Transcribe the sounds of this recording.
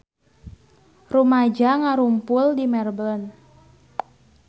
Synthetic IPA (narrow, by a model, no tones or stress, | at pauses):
rumad͡ʒaŋaɾumpʊldimɛrblɔn